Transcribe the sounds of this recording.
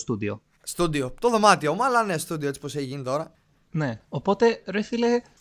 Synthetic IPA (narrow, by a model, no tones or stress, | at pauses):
st̪ud̪io̰ | st̪ud̪iot̪o̞ðo̞mɐt̪iomɐlɐnest̪ud̪ioet͡si̥po̞seçiʝinit̪o̞ɾɐ | neopo̞t̪e̞ɾiθile